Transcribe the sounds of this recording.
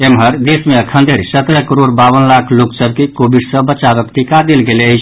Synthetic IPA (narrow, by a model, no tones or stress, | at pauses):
emɦəɾd̪esmeəkʰənd̪ʱəɾisət̪ɾəkəɾoɽbaʋənlakʰloksəbkekobiɖsə̃bət͡ʃabəkʈikad̪elɡeleət͡ʃʰ